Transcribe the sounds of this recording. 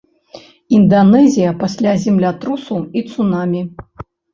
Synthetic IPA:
ind̪anɛzʲijɐpasʲlʲazʲimlʲat̪ɾusuit̪sunamʲi

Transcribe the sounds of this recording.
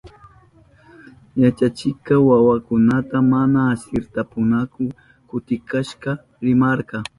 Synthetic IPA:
jat͡ʃat͡ʃɪkɑwawakʊnat̪amanaːsɪɾt̪apʊnakʊ | kʊt̪ɪkaʃqɑ | ɾɪmɑɾqɑ

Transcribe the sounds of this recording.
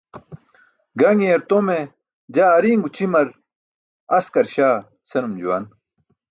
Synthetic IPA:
ɡɐŋieɾt̪ome | d͡ʑaːɐɾiːŋɡut͡ɕimɐɾ | ɐskɐɾɕaː | sɐnumd͡ʑuwa̰n

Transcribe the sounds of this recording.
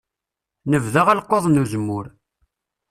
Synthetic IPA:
nəvðaʁælqːoðˤnuzəmːʊɾ

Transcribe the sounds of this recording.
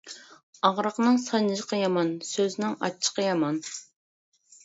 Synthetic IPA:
ɑʁɾəqnɨŋsɑnɨʒəqʰɑjɑmɑnsøznɪŋɑ̰t͡ʃʰːə̥qʰɑjɑmɑn

